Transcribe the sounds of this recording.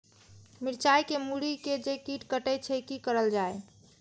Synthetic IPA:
miɾt͡ʃajkemuɾiked͡ʒekiʈkəʈɛt͡ʃʰɛkikəɾəld͡ʒae

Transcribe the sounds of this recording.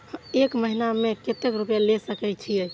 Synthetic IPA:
hekməɦinameket̪ekɾupjalesəkɛt͡ʃʰiəj

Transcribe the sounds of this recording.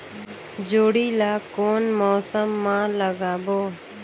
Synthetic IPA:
d͡ʒoːɽiːlaːkoːnmoːsəmːãːləɡaːboː

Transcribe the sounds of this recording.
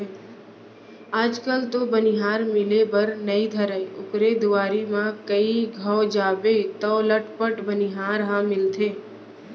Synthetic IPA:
aːd͡ʒkəlt̪obənɪɦaːɾmɪlebəɾnəid̪ʱəɾəʊkɾed̪ʊʋaːɾimãkəiɡʱəːd͡ʒaːbet̪ɔləʈpəʈbənɪɦaːɾɦãmɪlt̪ʰeː

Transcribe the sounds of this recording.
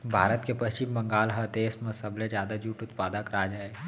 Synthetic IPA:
bʱaːɾət̪kepɐst͡ʃɪmbɐ̃ŋɡaːlɦɐt̪eːsmẽsɐblẽd͡ʒjaːd̪ad͡ʒuːʈʊt̪̚paːd̪akɐɾad͡ʒaːe

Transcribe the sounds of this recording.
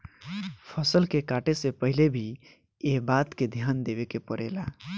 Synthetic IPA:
pʰəsəlkekaʈesepəɦilebʱi | eɦbat̪ked̪ʱjand̪ebekepəɾḛla

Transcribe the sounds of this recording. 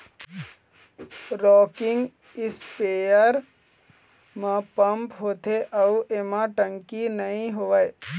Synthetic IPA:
ɾɔːkɪ̃ŋɡ | ɪspeːjəɾ | mãpɐmpɦoːt̪eʔɐuʔeːmãʈə̃ŋkinɐɦĩɦoʋaj

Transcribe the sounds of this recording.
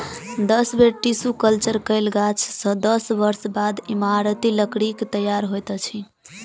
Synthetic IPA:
d̪əsbeʈisukəlt͡ʃəɾkəɪlɡat͡ʃʰsə̃d̪əsbəɾsbad̪imaɾət̪iləkɽikt̪əjaɾɦojt̪t͡ʃʰi

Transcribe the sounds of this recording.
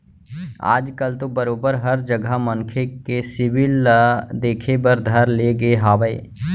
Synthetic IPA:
a̰ːd͡ʒkəlt̪obəɾoːbəɾɦɐɾd͡ʒəɡʱamə̃ŋkʰekesɪʋɪld̪eːkʰebəɾd̪ʱɐɾleɡəeɦaːʋəe

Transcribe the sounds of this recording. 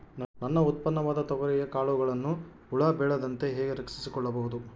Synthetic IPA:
nɐnːɐut̪̚pɐnːɐʋaːd̪ɐt̪ɔʋɐɾɛjɐkaːɭuɡɐɭɐnːu | uɭaːbɛːɭɐd̪ɐnt̪e̞ɦɛːɡeɾɐksisikɔɭːɐbɐɦud̪u

